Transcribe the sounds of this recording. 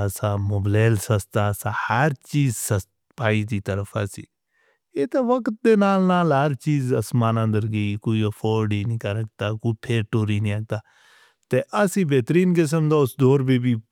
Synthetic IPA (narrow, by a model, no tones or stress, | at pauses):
əsaːmoːbleːlsəst̪aːsaːhəɾt͡ʃiːzsəst̪ | paːiːt̪iːt̪əɾəfʰasḭː | eːt̪eːʋəkt̪̚d̪eːnaːlnaːlɦəɾt͡ʃiːzəsmaːnãnd̪əɾɡeiːkoːiːəpʰoːɾɖiːnĩːkəɾəkt̪aːkoːipʰeːʈoːɾiːnĩəɡ̚t̪aː | t̪eʔəsĩːbeːt̪ɾiːnk̬es̬əmd̪aːʊsd̪oːɾbiːbiː